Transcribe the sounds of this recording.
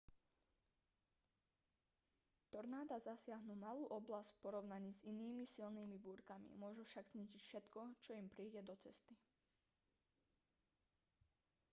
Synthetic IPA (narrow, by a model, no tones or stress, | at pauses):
t̪ɔɾnaːd̪azasɪaɦnumaluːʔɔblastcfpɔɾɔʊnaɲiːziniːmisilniːmibuːɾkamḭmʊɔʒufʃaɡzɲiːʒicfʃɛt̪kɔt͡ʃɔimpɾiːɟɛd̪ɔt͡sɛst̪i